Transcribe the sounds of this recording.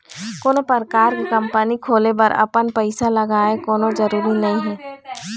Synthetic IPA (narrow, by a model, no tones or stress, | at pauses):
koːnopəɾkaːɾkekɐ̃mpənikʰoːlepɐɾɐ̰pənpəɪsalɐɡaːekoːnõd͡ʒəɾuːɾinɐɦĩɦɛː